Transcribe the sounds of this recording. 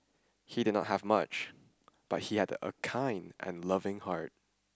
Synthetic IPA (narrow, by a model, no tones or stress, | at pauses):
hidɪdⁿnɔ̰t̚ɦəvmʌ̰t͡ʃ | b̥ʌt̚hihædə̰kʰãɪ̃ndɛ̰̃nlʌvɪ̃ŋhaɹt̚